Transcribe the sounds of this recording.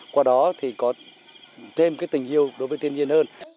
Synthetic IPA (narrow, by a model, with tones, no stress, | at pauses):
kwaː˧ɗɔ˨˦t̪ʰi˨˩kɔ˨˦ | t̪ʰe˧mkaː˨˦jt̪ï˨˩ŋ̟ʔi˧əwɗo˨˦jvəː˨˦jt̪ʰi˧ənzi˧ənhəː˧n